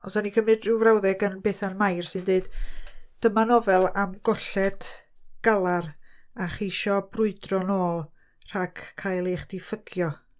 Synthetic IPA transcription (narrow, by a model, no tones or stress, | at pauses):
ɔsanikʰəmɨdrɪwvrawðɛɡənbeːθanmajrsɨndeɨd̥d̥əmanɔvɛlˠamɡ̥ɔɬɛd̥ɡ̥alˠaraχiʃɔbrʊɨdrɔnoːlˠ | r̥aɡkʰːajlˠeχd̥ifəɡ̥jɔ